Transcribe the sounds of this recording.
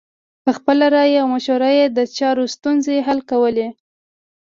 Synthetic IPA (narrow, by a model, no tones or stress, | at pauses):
pəxpəlaɾɑjawmaʃoɾɑjed̪ət͡ʃɑɾost̪unzeɦalkawəle